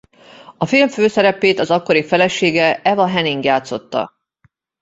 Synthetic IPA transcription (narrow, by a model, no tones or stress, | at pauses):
ɒfilɱføːsɛɾɛpeːt̪ɒzɒkːo̞ɾifɛlɛʃeːɡɛɛvɒɦɛniŋɡjaːt̪so̞t̪ːɒ̰